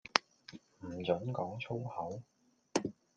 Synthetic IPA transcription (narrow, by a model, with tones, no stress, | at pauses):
m̩ː˨˩t͡sɵ˨˥nkɔː˨˥ŋt͡sʰo˥whɐ˨˥w